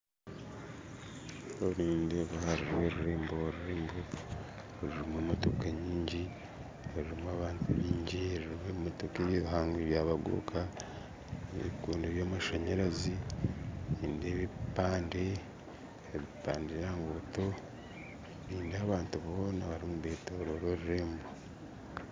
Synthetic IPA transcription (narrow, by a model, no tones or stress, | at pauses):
oɾiːndeβuhaɾiɾweɾuɾeːmboɾuɾeːmbo | ɾiɾimemotokaɲiːɲɟi | oɾiɾimaβaːntʰuβiːɲɟiɾuɾiβeːmotokeːβjiɾuɦaːŋɡeβjaːβaɡṵːkʰa | eβikuːndueβjoːmuʃaɲeɾazi | iːndeβipaːnde | eβipaːndejaːŋɡoto | βiːndaːβaːntuβo̞ːnaβaɾimuβeːtoɾoɾoɾuɾeːmbo